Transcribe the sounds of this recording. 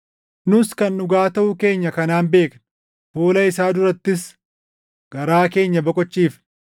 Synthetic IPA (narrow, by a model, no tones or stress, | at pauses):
nʊskɐnːʊɡaːt̪ɐʔʊke̞ːɲːɐkɐnaːnbe̞ːkn | foːlɐɪsaːd̪ʊɾɐt̪ːɪs | ɡ̥ɐɾaːke̞ːɲːɐbɔkʼɔt͡ʃːiːf